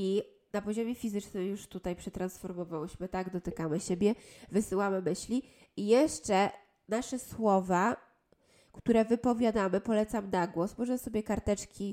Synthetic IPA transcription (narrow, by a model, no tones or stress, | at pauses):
i | napɔʑɔmʲefʲizɘt͡ʂnɘmjuʂt̪ut̪ajpʂɛt̪ɾansfɔɾmɔvawɘɕmɘt̪aɡd̪ɔt̪ɘkamɘɕebʲjɛvɘsɘwamɘmɘɕlʲi | ijɛʂt͡ʂɛ | naʂɛswɔva | kt̪uɾɛvɘpɔvʲjad̪amɘpɔlɛt̪samnaɡwɔsmɔʐɛsɔbʲjɛkaɾt̪ɛt͡ʂkʲʰi